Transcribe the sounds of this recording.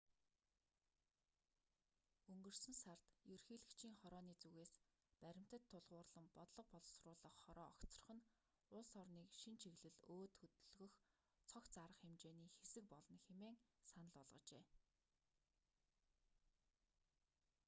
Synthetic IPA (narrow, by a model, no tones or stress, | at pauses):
ɵŋɡɵ̆rsɵ̆nsar̥t̪jɵrxiːɮɘ̆kt͡ɕʰiːŋχɔɾɔːniːt͡suɣeːspæɾʲɪ̆m̥ʲt̪ə̆t̪ʰːʊɮʁʊːrɮə̆mpɔt̪ɮɞ̆q̚pɔɮ̆srʊːɮə̆χχɔɾɔːɔkt͡sɞ̥̆r̆χə̆n | ʊɮsɔrniːkʃint͡ɕʰiɣɮɘ̆ɮoːt̪xɵt̪ɵ̆ɮɣɵ̆x | t͡sʰɔkt͡saɾə̆χxemt͡ɕeːniːxesɘ̆k̚pɔɮɞ̆nxemeːŋsanə̆ɮʊɮʁə̆t͡ɕḛː